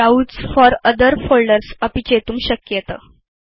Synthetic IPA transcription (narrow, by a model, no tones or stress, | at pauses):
auːt͡sfɔɾəd̪əɾfolɖəɾsəpit͡ɕet̪uːmɕəkjət̪ə